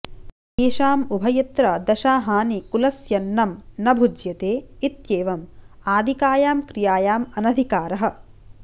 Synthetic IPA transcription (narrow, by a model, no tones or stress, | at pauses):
eːʃaːmubʱɐjɐt̪ɾɐd̪ɐʃaːɦaːnikulɐsjɐnːɐmnɐbʱud͡ʒjɐt̪eːit̪jeːʋɐmaːd̪ʱikaːjaːmkɾijaːjaːmɐnɐd̪ʱikaːɾɐɦɐ̆